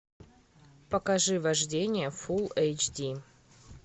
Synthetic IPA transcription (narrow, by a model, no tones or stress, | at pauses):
pəkɐʐɨvɐʐdʲenʲɪjəfulˠejt͡ʃdʲi